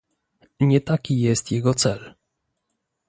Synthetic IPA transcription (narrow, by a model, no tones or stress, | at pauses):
ɲɛt̪akʲijɛst̪jɛɡɔt̪sɛl